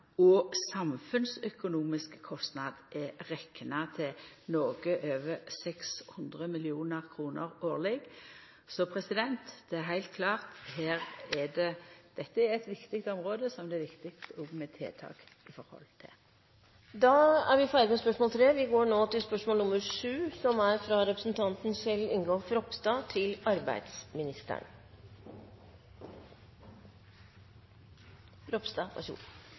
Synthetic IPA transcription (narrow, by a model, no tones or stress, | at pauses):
ɔsɑmfʉnsœkʊnuːmɪskkʰɔst̪nɑd̪ʔɛʁɛkːnɑt̪ʰɪnoːɡəʔøːʋəɾsɛkshʉnd̪ʁəmɪlɪuːnəʁkʰʁuːnə̰ɾoːʁlɛɡ | sɔpʰɾɛsɪd̪ɛnt̪d̪̥ɛæɾɦæɪlt̪̚kʰlɑːʁt̪ɦeːʁɛɖɛd̪̥ɛt̪ːəɛɾɛt̪ʋɪkt̪ɪk̚t̪ɔmʁoːd̪əsɔmd̪ɛːʋɪkt̪ɪkst̪ɔɡmɛt̪ʰḛːt̪ʰɑ̰ːk | ɪfɔɾhɔ̰lt̪ʰɪ̰l | d̪ɑːæɾʋɪfæɪɾɪɡmɛspœʂmɔːlt̪ʰɾeːʋɪɡoːɳoːt̪ɪlspœʂmoːlnʊməɾʂʉːsɔmæɾfɾɑɾɛpɾəsn̩t̪ʰɑnt̪n̩sɛlːɪnɡoːfɾɔpst̪ɑːt̪ʰɪlɑɾbæ̰ɪd̪smɪnɪst̪ə̰n | ɾɔpst̪ɑːpʰɑ̰ʃṵːn